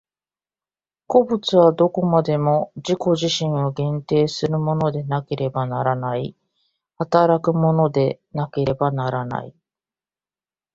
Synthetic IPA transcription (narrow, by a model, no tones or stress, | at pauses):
ko̞bɯ̟t͡sɨβad̪o̞ko̞mad̪e̞mo̞d͡ʑiko̞ʑiɕĩɰ̃o̞ɡẽ̞nt̪e̞ːsɨɾɯ̟mo̞no̞d̪e̞nake̞ɾe̞banaɾanai | hat̪aɾakɯ̟mo̞no̞d̪e̞ | nake̞ɾe̞banaɾana̰i